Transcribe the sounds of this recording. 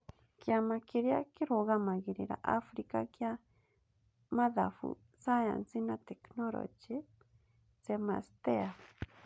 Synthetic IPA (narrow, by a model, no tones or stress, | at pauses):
kjamakeɾiakiɾoɣamaɣiɾiɾa̰ʔafɾikakja | maðafṵ | saja̰nt͡sinat̪eknoɾo̰t͡ʃe | t͡sema̰st̪ea